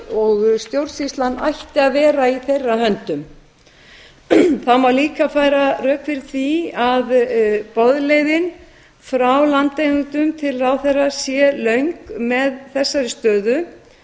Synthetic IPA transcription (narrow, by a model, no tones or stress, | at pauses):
ɔɣst̪jowɾsist̪lanːa̰jht̪ɪaðvɛːɾaiθejrːaɦœnt̪ʏm | θawmaɾliːkafaːjɾarœːkfɪɾ̥θiaðpɔðlejðɪn | fɾawlant̪ejɣʏnt̪ʏmt̪ʰɪlrawθɛrːasjɛlœɥŋkmɛðθɛsːaɾɪst̪œːðʏ